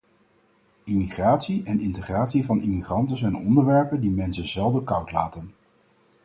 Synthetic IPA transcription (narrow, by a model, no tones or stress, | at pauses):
imiχraːtsiʔɛnɪntəχraːtsivɑnʔimiχrɑntəzɛjnɔndəɹʋɛɹpəndimɛnsənzɛlˠdəkʌwtlaːtən